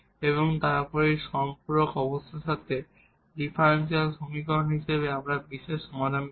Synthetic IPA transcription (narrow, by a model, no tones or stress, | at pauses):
eβoŋt̪aɾpɔɾiʃɔmpuɾokɔbost̪ʰaʃat̪e | ɖipʰaɾens̬ialbʱomikaɦonɦiʃeβeamɾabiʃeʃɔmad̪ʱan